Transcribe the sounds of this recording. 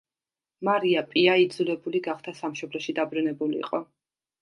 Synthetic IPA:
maɾiapʼiaid̪zulɛbuliɡaχd̪ʰasamʃɔblɔʃid̪abɾunɛbulḭːqʼɔ

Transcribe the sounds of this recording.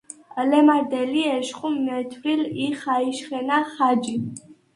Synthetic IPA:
lɛmad̪ɛliɛʃχummːɛt̪ʰwɾiliχaiʃχɛnaχad͡ʒi

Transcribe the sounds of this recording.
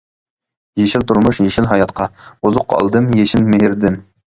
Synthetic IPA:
jeʃɪlt̪ʰuɾmʊʃjeʃɪlɦɑjɑt̪qʰɑuzʊqʰːɑ̰lˠd̪ɨmjeʃɪnmeɦɪɾd̪ɪm

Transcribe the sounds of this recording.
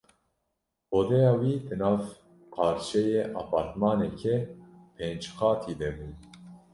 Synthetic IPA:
oːd̪ɛjɑːwiːd̪ɨnɑːv | qʰɑːɾʃɛjeːʔɑ̰ːpʰɑːɾt̪mɑːnɛkʰepʰeːnd͡ʒxɑːt̪ʰiːd̪ɛbuː

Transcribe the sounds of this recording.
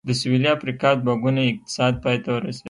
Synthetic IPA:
d̪əsʊwiliafɾikɑd̪̚baɡunaɪq̚t̪ɪ̥sɑd̪̚pɑjt̪awəɾasei

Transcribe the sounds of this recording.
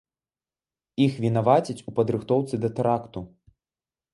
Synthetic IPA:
ixvʲinavat͡sʲit͡sʲupɐd̪ɾɨxt̪ɔwt̪sɨd̪ɐt̪ɛɾakt̪u

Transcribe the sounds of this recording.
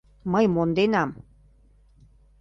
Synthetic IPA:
məjmond̪enɑm

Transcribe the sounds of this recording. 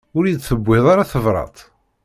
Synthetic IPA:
ʊɾjid̪θəbːɪðˤaɾaθəvɾˤɑ̰t̪ˤ

